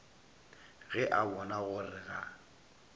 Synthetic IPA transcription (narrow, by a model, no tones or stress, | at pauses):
ɣɛʔabɔnaɣʊrɪɣa